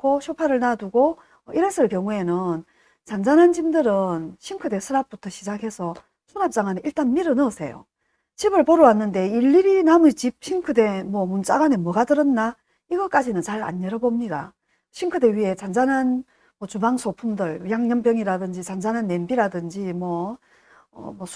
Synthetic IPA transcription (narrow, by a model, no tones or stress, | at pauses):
koɕʰopʰaɾɯɭnaduɡo | ʌiɾes͈ʰɯɭkjʌŋue̞nɯn | t͡ɕand͡ʑanɦant͡ɕimdɯɾɯnɕʰimkʰɯde̞sʰɯɾap̚p͈utʰʌɕʰid͡ʑaɡɦe̞sʰʌ | sʰunap̚t͡ɕ͈aŋɦaneʔiɭt͈anmiɾɯnʌsʰe̞̰jo̰ | t͡ɕʰibɯɭpoɾɯwanːɯnde̞iɭːiɾinamut͡ɕip̚ɕʰinkʰɯde̞mwʌmunt͡ɕ͈aɡwane̞mwʌɡadɯɾʌnːa | iɡʌk͈ad͡ʑinɯnt͡ɕaɭa̰ɲːeɾʌbomɲida̰ | ɕʰinkʰɯde̞ɥiɦe̞t͡ɕand͡ʑanɦan | mʌt͡ɕubaŋsʰopʰumdɯɭjaŋɲʌmpjʌŋiɾadɯnd͡ʑit͡ɕand͡ʑanɦanːe̞nbiɾadɯnd͡ʑimwʌ | ʌ̰mʌ